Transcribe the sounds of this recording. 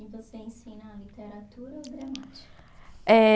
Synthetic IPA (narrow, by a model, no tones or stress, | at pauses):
ɪvoseẽsĩnɐlit̪eɾat̪uɾɐoɡɾamat͡ʃi̥kɐɛ